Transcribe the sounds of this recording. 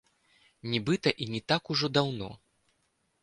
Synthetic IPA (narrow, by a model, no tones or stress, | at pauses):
nʲibɨt̪ɐʔinʲit̪akuʐɔd̪awnɔ̰